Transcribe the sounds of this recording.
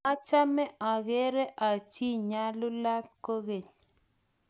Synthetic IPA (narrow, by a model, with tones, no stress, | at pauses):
a˦t͡ʃa˦mɛ˦ʔa˨ɣe˦ɾe˦ʔa˨t͡ʃi˦ɲa˦lʊ˦la˦t̚ko˦ɣe˨ɲ